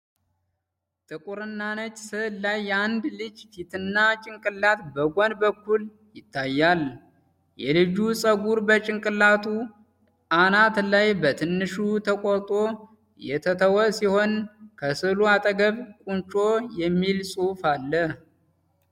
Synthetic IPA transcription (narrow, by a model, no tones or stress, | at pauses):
t̪ʼɨkʼuɾɨnːanət͡ʃʼsɨlajːɛand̪lɨd͡ʒt̪ʰit̪ʰɨnːat͡ʃʼɪŋkʼɨlːat̪bəɡʷonbəkːul | jɪt̪ʰːajːal | jɛlɨd͡ʒusʼəɡuɾbət͡ʃʼɪŋkʼɨlat̪ʰu | anat̪lajbət̪ʰɨnːɨʃut̪ʰəkʼot̪ʼo̞ | jɛ̰t̪ʰət̪ʰəwəsiho̞nkʰəsɨluat̪ʼəɡəβkʼunt͡ʃʼojɛmːilsʼufalːəh